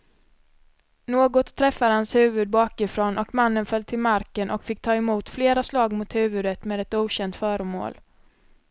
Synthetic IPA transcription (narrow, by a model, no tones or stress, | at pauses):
noːɡɔt̪ʰːɾɛfːad̪hanshʉ̟ːvɵd̪̚bɑːkɪfɾoːnʔɔkmanːənfœl̚t̪ʰɪlmaɾkənʔɔ̰kfɪk̚ːt̪ʰɑːɛmuːt̪fleːɾaslɑːɡmʊt̪hʉ̟ːvɵd̪ət̪meːd̪ɛt̪uːɕɛnt̪fœːɾəmo̰ːl